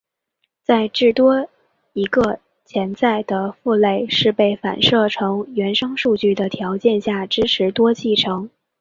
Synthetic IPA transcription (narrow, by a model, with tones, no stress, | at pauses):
t͡sa˥˧ɪʈ͡ʂɻ̩˥˩t̪wɔ˥ | i˧˥ɡə˧ | t͡ɕʰjɛ˧˥nt͡sa˥˩ɪd̪ə˩fu˥˧le˥˩ɪʂɻ̩˥˧pe˥˩ɪfa̰˨˩nʂɤ˥˩ʈ͡ʂʰɤ˧˥ŋɥɛ˧˥nʂɤ˥ŋʂu˥˧t͡ɕy˥˩d̪ə˩t̪ʰjɑ˧˥ʊt͡ɕjɛ˥˧nɕja˥˩ʈ͡ʂɻ̩˥ʈ͡ʂʰɻ̩˧˥t̪wɔ˥t͡ɕʰi˥˩ʈ͡ʂʰɤ˧˥ŋ